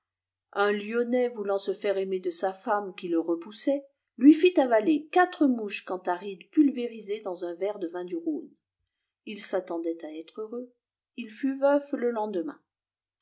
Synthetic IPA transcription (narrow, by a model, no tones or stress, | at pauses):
ɛ̃ljɔnɛvulɑ̃səfɛʁemed̪əsafamkʲiləʁəpusɛ | lɥifit̪avalekat̪χəmuʃkɑ̃t̪aʁid̪pylveʁized̪ɑ̃zɛ̃vɛʁd̪əvɛ̃d̪yʁon | ilsat̪ɑ̃d̪ɛt̪aɛt̪χøʁø | ilfyvœvləlɑ̃d̪əmɛ̰̃